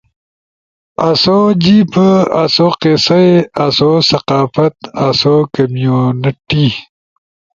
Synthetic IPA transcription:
ɐsod͡ʑipəasoqesɐeɐsosɐqɑːfɐt̪ɐsokɐmijonɐʈi

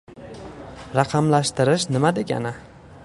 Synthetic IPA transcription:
ɾɑqʰɑmlaʃt̪ɨɾɪʃnɪmad̪ekʲa̰nɪ

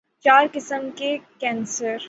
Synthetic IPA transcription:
t͡ʃaːɾkɪsəmkekɛ̃ːnsəɾ

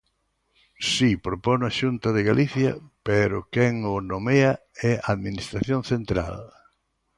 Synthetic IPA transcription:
sipɾoponaʃunt̪ɐðɪɣalʔiθjɐ̰peɾʊkɛŋonomea | ɛaðminist̪ɾaθjoŋθent̪ɾa̰l

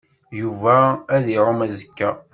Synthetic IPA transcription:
juvæːðiɾomæzəkːæ

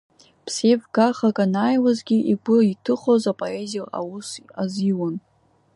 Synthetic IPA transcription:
pʰsevɡaχakʼanaːjwazɡʲiʔiɡʷʊitʰɨχozapʼoezijla̰wʊsaziwon

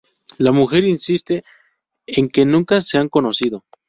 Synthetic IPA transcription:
lamuxe̞ɾinsist̪e | eŋke̞nũŋkaseaŋko̞no̞siðo̞

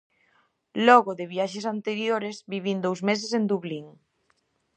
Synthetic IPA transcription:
lɔɣʊðɪβiaʃesant̪eɾjoɾeszβiβind̪owzmes̬esend̪uβliŋ

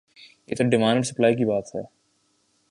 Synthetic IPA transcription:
jeːt̪oɖɪmãːnɖɖsɐplaːikibaːt̪ɦɛː

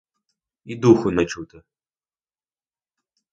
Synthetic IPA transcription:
id̪uxʊnɐt͡ʃut̪ɪ

